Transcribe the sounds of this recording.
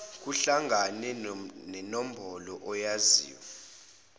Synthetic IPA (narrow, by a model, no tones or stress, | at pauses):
k̬ʼuɬaŋʱanɛnɛnom̩bʱɔlɔʔɔjazḭːwa